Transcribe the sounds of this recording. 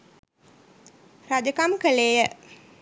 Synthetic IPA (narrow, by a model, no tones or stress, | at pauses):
ɾad͡ʒəkamkəlejə